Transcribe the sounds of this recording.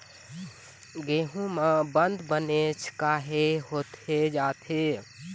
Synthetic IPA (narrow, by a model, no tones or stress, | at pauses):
ɡeːɦũmẽbə̃nd̪bənet͡ʃʰkaːɦeɦoːt̪ed͡ʒaːt̪ʰe